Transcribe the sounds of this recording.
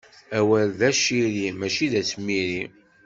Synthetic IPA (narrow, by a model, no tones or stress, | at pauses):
æwælðæʃiɾimæt͡ʃiðæt͡sːmːiɾi